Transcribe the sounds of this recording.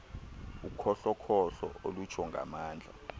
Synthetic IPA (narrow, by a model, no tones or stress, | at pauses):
ukʰɔɬɔkʰɔɬɔ̰olut͡ʃʰɔŋɡʱa̰maːnd͡ɮʱa̰